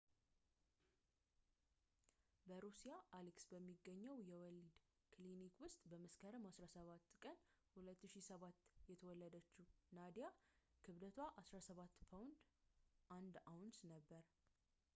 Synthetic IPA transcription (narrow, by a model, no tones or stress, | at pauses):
bəɾusijaʔaliksbəmːiɡəɲːəwjɛwɔlid̪ | kʰlinikwʊst̪ʼbəməskʰəɾɨmhasɾasəβat̪ːkʼənhulət̪ːɨʃisəβat̪ːjɛt̪ʰəwɔlːəd̪ət͡ʃːunad̪ijakʰɨβd̪ət̪ʰwaʔasɾasəβat̪ːpʰawʊnd̪ʔand̪awnsnəbːəɾ